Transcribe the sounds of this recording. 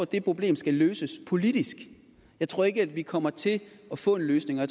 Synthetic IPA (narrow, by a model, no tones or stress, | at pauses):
æd̥e̝pʰʁo̝b̥le̝̰ːmsɡ̥æløːsəspʰo̝lid̥isɡ̥ | jɑ̈ɪt͡sʰʁo̝ɐe̝ɡəæd̥ʋikʰɒ̽m̰ɐt͡sʰe̝ɒ̽fɔ̰̽ːe̝nløːsne̝ŋɒj